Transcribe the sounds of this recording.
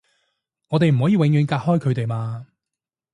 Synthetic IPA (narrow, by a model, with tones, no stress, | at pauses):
ŋɔː˨˧t̪e˨jm̩˨˩hɔː˨˥jiː˨˧wɪ˨˧ŋjyː˨˧nkaː˧t̚hɔː˥jkʰɵ˨˧ɥt̪e˨jmaː˧